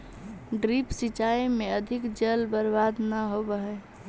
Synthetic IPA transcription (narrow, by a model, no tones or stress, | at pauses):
ɖɾipsit͡ʃaimeəd̪ʱikd͡ʒəlbəɾbad̪nəɦobəɦɛ